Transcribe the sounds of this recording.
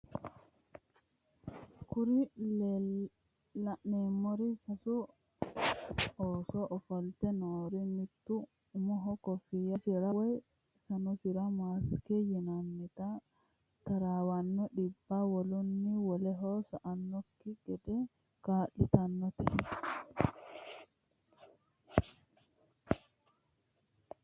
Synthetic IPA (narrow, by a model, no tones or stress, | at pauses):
kuɾi | lanɛmoɾisasu | ɔsɔʔːfɔltɛnoːɾimit̪ːu | mɔɦɔkɔfijasiɾawɔj | sanɔsiɾamaskɛjinamːit̪a | t̪aɾawanːɔɗibːawolunːiwɔlɛɦɔsaʔanːɔkːiɡɛdɛ | kaːɗit̪anːɔt̪ɛ̰